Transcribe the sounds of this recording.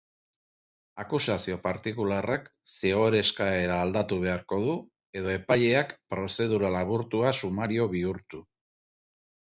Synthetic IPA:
akusasio̞paɾt̪ikularaksiɣ̞o̞ɾe̞skae̞ɾaːld̪at̪uβ̞e̞aɾko̞ð̞u | e̞ðo̞e̞paʎe̞akpɾo̞se̞ð̞uɾalaβuɾt̪uasumaɾio̞βiuɾt̪u

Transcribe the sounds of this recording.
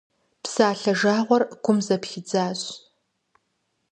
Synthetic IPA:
psaːɬɐʒaːʁʷɔrɡʷʰʊmzɐpxɪd͡zaːɕ

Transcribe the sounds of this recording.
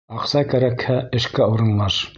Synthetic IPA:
ɑqsɑkæɾækhæɘ̆ʃkæuɾɤ̆nlˠɑʃ

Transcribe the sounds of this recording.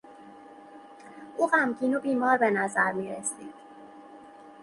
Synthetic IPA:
ʔuːɢæmciːnobiːmɒːɾbe̞næzæɾmiːɾesiːd̪̥

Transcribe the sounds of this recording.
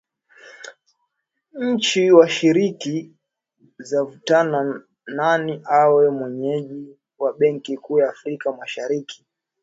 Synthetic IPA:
ɲ̩t͡ʃiwaʃiɾiki | zavutana | naniʔawɛmwɛɲɛʄi | waɓɛŋkikuːjaːfɾikamaʃaɾiki̥

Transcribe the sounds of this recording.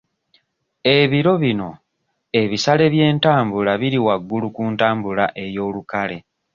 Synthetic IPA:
e̞βiɾo̞βino̞ | e̞βisale̞βje̞ːntaːmbulaβiɾiwaɡːulukuːntaːmbulaʔe̞jo̞ːlukale̞

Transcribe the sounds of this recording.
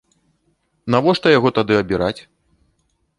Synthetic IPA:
navɔʂt̪ɐjaɣɔt̪ad̪ɨɐbʲiɾʔat͡sʲ

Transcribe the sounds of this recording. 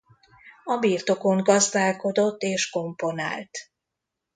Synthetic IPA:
ɒbiːrt̪o̞ko̞ŋɡɒzd̪aːlko̞d̪o̞t̪ːeːʃko̞mpo̞na̰ːlt̪

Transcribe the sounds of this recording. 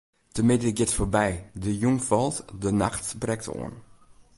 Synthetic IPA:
təmɪdəɪɡɪtfoɹbɛjdəjuŋfɔlˠtdənaxtbrɛk̚to̰ən

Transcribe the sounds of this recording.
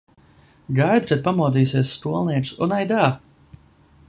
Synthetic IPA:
ɡajd̪ɾat̪̚pamuɔd̪iːsiɛsːt̪uɔlˠniɛt͡ʃsunajd̪aː

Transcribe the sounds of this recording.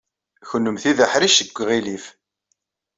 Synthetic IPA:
çənːəmθiðəħɾiʃəɡʷːʁilif

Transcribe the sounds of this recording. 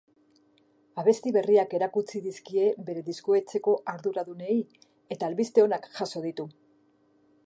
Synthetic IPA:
aβ̞e̞st̪iβe̞riake̞ɾakut͡siðiskie̞βe̞ɾe̞ðiskoe̞t͡se̞ko̞ʔaɾðuɾaðune̞i | e̞t̪aːlβist̪e̞o̞nakʝaso̞ð̞it̪u

